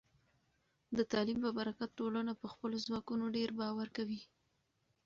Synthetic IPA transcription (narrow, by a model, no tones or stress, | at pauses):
d̪ət̪ɑlimpəbaɾakat̪̚ʈolənapəxpəlozwɑkunoɖeɾbɑwaɾkawi